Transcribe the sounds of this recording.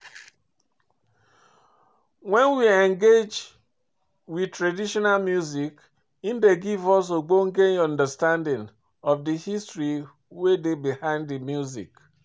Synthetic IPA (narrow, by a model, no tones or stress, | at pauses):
wɛ̃nwiɛ̃ŋɡed͡ʒ | widtɾadiʃɔnalmjuzik | indeɡivɔs̬oɡ͡boŋ̩ɡeɔ̃ndəstãndɪ̃ŋ | ɔfdihistɹi | wedebihãɪ̃ndimjuzḭk